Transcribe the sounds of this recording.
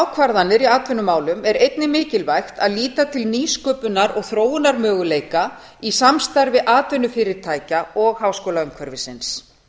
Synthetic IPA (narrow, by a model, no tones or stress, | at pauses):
awkʰvaɾðanːɪɾiaːt̪ʰvœnʏmaːwlʏmɛɾejt̪nɪmɪːcɪlvajxt̪aðliːt̪at̪ʰɪlniːskœːpʏnaɾɔɣθɾoːwʏnaɾmœːɣʏleːjka | isamst̪aɾvɪʔaːt̪ʰœnʏfɪːɾɪɾ̥t̪ʰaːjcaɔɣhaːwskoːwlaʏmkʰœɾvɪsɪns